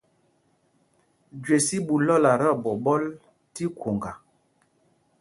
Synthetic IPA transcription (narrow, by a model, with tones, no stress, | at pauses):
d͡ʒwe˨si˦ɓu˨lɔ˦˨la˨ɾɔ˦˨bɔ˨bɔ˦l | ti˦ko˨ŋɡa˨